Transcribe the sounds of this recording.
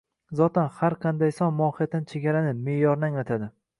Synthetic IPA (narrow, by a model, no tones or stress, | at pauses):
zɒt̪ʰanhaɾqʰɑnd̪ajsɒnmɒhijat̪ːant͡ʃʰeɡʲaɾanɪme̞jɒɾnaŋɒt̪ʰad̪ɪ